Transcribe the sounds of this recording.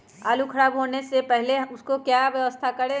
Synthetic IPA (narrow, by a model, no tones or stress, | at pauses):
aːlukʰɐɾaːbɦoːnesepɛɦleʊskokjaːʋjɐʋəst̪ʰakɐɽe